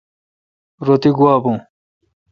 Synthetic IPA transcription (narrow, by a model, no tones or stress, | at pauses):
ɾot̪iɡuwaːbõː